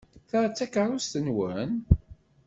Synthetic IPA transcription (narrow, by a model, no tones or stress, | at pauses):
θaɾt͡sːækəɾˤʊst̪ənwən